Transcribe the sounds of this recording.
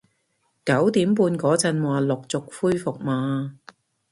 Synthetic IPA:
kɐ˨˥wt̪iː˨˥mpuː˧nkɔː˨˥t͡sɐ˧nwaː˨lʊ˨k̚t͡sʊ˨k̚fuː˥jfʊ˨k̚maː˨˧

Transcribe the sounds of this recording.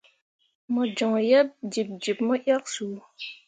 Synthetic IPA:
mɔ˨d͡ʒɔ˨ŋjɛ˦p̚d͡ʒi˨p̚d͡ʒi˨p̚mɔ˦ʔja˦k̚su˨

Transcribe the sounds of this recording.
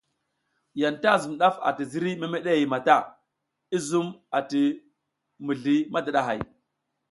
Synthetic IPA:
ja˨nta˦˨zu˨m˨ɗa˦fa̰˨ti˨zi˦ɾi˦me˦me˦ɗe˦ji˨ma˨ta˦˨ | i˦zu˦ma˨ti˨ | mu˨ɮi˦ma˦da˨ɗa˨ɦa̰˨j

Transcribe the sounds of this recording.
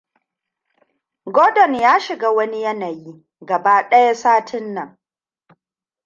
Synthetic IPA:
ɡoː˦dɔ˨njaː˦ʃɪ˨ɡaː˦wɐ˦ni˦jɐ˦na˨ji˦ | ɡɐ˨ba˦ɗɐ˦ja˦saː˦tʰɪ˦nːɐ˨ŋ

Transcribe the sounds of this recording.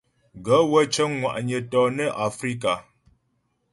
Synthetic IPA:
ɡə˨˦wə˦t͡ʃə˦ŋŋwa̰˨ʔɲə˨tɔ˨nə˦ʔa˨fɾi˦ka˨

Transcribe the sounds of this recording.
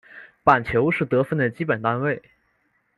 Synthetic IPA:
pa˨˩nt͡ɕʰjo˧˥ʊʂɻ̩˥˩t̪ɤ˧˥fə˥˩nd̪ə˩t͡ɕi˥pə˨˩nt̪a˥nwe˥˩ɪ

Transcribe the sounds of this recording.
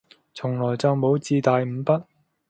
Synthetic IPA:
t͡sʰʊ˨˩ŋlɔː˨˩jt͡sɐ˨wmo˨˧˥wt͡siː˧t̪aː˨jm̩˨˧˥pɐ˥t̚

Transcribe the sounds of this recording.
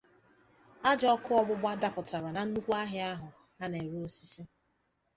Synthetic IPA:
a˦d͡ʒɔ˦kʊ˦ɔ˦ɡ͡bʊ˦ɡ͡bʷa˦da˦pʊ˨ta˨ɾa˨na˨n̩˦nu˦kʷu˦a˦ɦɪ˦a˦ɦʊ˨ | ɦa˦ne˨ɾu˦o˨˦si̥˦si˦

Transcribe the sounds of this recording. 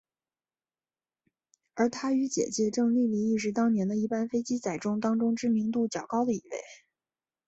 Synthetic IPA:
ə˞˧˥t̪ʰa˥y˧˥t͡ɕjɛ̰˨˩t͡ɕjɛ˥˧ʈ͡ʂɤ˥˧ŋli˥˧li˥˧i˥˩ʂ̬ɻ̩˧˥t̪ɑ˥ŋnjɛ˧˥nd̪ə˧i˥˩pa˥˧nfe˥ɪt͡ɕi˥t͡sa˨˩ɪʈ͡ʂʊ˥ŋt̪ɑ˥ŋʈ͡ʂʊ˥ŋʈ͡ʂɻ̩˥mi˧˥ŋt̪u˥˩t͡ɕjɑ˨˩ʊkɑ˥ʊd̪ə˨i˨˩wḛ˥˩ɪ

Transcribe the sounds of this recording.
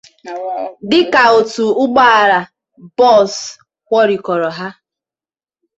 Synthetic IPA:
dɪ˦ka˨o˨tu˨ʊ˦ɡ͡ba˦a˨ɾa˨ | bɔ˦˨s | kʷɔ˦ɾi˨kɔ˨ɾɔ˨ɦa˦

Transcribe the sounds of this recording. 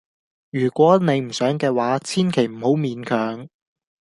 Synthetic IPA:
jyː˨˩kʷɔː˨˥ne˨˧jm̩˨˩sœː˨˥ŋkɛː˧waː˨˥t͡sʰiː˥nkʰe˨˩jm̩˨˩ho˨˥wmiː˨˧nkʰœː˨˥ŋ

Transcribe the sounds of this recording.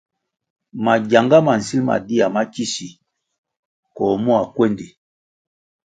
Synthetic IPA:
ma˨ɟa˨ŋɡa˦ma˨n̩˨si˦lma̰˨di˦a˨ma˦ci˦si˨ | kɔ˨mu˦a˨kwe˦ndi˨

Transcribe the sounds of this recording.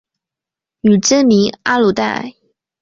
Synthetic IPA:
nu˨˩ʈ͡ʂə˥nmi˧˥ŋa˥lu˨˩t̪a̰˥˩˨ɪ

